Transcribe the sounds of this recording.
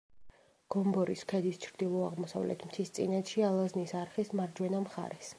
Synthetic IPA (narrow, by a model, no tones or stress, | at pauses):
ɡ̥ɔmbɔɾiskʰɛd̪ist͡ʃʰɾd̪̥ilˠɔaʁmɔsa̰vlɛ̰t̪ʰmt̪ʰist̪sʼḭnɛt̪ʃialˠaznisaɾχismaɾd͡ʒwɛnamχa̰ɾɛs